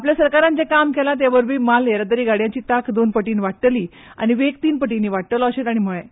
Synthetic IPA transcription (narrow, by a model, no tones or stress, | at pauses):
apljasəɾkaɾãnd͡ʑekamkɛlãt̪̬jaʋəɾbʱiːmalaɾat̪əɾiːɡaɽjãt͡ɕiːt̪akʰd̪onpəʈiːnʋaʈʈəliː | a̰ñiʋek̚t̪iːnpəʈ̬inːiːʋaʈ̚t̪əlɔəɕet̪aɽ̃iməɭẽ